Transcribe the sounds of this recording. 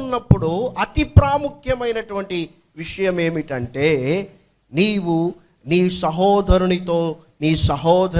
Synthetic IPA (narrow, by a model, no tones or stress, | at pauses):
nːɐpːuɽuɐt̪ipɾaːmukʰjɐmɐjnɐʈuʋɐɳʈi | ʋiʂɐjɐme̞ːmiʈɐɳʈe̞ː | niːwu | niːsɐɦɔːd̪ʱɐɾɐɳit̪oː | niːsɐɦɔːd̪ʱɐ